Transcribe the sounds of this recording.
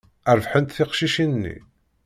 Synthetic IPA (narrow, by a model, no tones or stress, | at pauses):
əɾvħənt̪θɪqʃiʃinnːḭ